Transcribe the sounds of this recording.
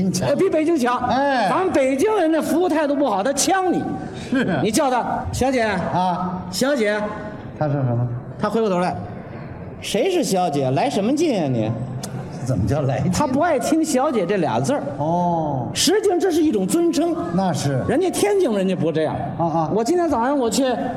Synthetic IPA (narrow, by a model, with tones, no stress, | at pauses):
pi˧˥pe˨˩t͡ɕi˥ŋt͡ɕʰjɑ˧˥ʊe˥˧a˧˥ə˥ŋpe˨˩ɪt͡ɕi˥ŋɻə˧˥nd̪ə˧fu˧˥u˧t̪ʰa˥˧ɪt̪o˥p̬u˥˩xɑ˨˩ʊt̪ʰa˥t͡ɕʰjɑ˥ŋni˨˩˦ | ni˨˩t͡ɕjɑ˥˩ʊd̪ə˧ɕjɑ˧˥ʊt͡ɕjɛ˨˩˦ | ɕjɑ˧˥ʊt͡ɕjɛ˨˧˦ | t̪ʰa˥ʂ̩˥˩ʂt̪ʰa˥xwe˧˥pu˧˩t̪ʰla˧˩ | ʂe˧˥ɪʂɻ̩˥˩ɕjɑ˧˥ʊt͡ɕjɛ˨˩la˧˥ɪʂə˧˥nmə˧t͡ɕɛ˥˧jɛ˥˩nḭ˨˩˦ | t͡sə˨˩mə˦t͡ɕjɑ˥˩ʊla˧˥t̪ʰa˥pu˧˥a˥˩ɪt̪ʰi˥ŋɕjɑ˧˥ʊt͡ɕjɛ˨˩ʈ͡ʂɤ˥˩ljɑ̰˨˩ŋt͡sə˥˧˩ | ʂɻ̩˧˥t͡ɕi˥˧ŋʈ͡ʂɤ˥˧ʂɻ̩˥˧i˥˩ʈ͡ʂʊ˨˩ŋt͡swə˥nʈ͡ʂʰɤ˥ŋna˥˧ʂɻ̩˥˩ɻə˧˥nt̪i˥˩t̪ʰjɛ˥nt͡ɕi˥˩ŋə˧ɻə˧˥nt͡ɕo˧˩pu˧˥ʂʈ͡ʂɤ˧jɑ̰˥˩ŋ˥˧wɔ˨˩t͡ɕi˥nt̪ʰjɛ˧˥nt͡sɑ˨˩ʂɑ˥˩ŋwɔ˨˩t͡ɕʰɛ˥˩